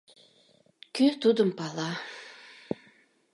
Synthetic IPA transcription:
kʰyt̪ud̪umpala

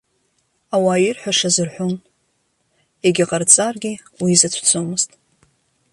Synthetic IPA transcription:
awaːjɪrħʷᶣaʂazɨrħʷon | eɡʲaqʼart͡sʼarɡʲi | wizat͡sʷʰt͡sʰomɨztʼ

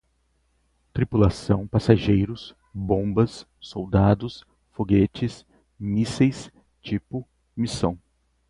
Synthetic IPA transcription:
t̪ɾipulasɐ̃w̃pasaʒejɾʊs | bõbɐsː | owd̪ad̪ʊs | foɡet͡ʃɪs | misejs | t͡ʃipʊ | misɐ̃w̃

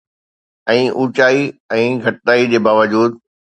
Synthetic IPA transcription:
ɛ̃ːʔuːt͡ɕaːiɛ̃ːɡʱɐʈɗaːid͡ʑeːbaːʋəd͡ʑuːd̪

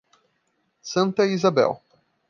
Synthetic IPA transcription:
sɐ̃nt̪ɐizabɛ̰w

